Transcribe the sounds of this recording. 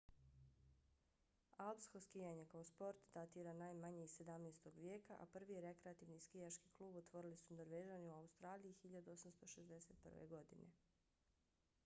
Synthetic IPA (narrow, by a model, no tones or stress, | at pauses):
alpsxoskijaɲekaospo̞ɾt̪d̪at̪iɾanajmaɲeise̞d̪amneːst̪o̞ɡʋje̞ːkaʔa̰pr̩ʋieɾekɾeat̪iʋniskijat͡ʃki̥klˠuːbot̪ʋo̞ɾilisuno̞ɾʋed͡ʒaniuaust̪ɾaːlijixiʎad̪uo̞samst̪o̞ʃe̞zd̪ese̞t̪̚pr̩ʋḛɡo̞d̪ḭnʔḛ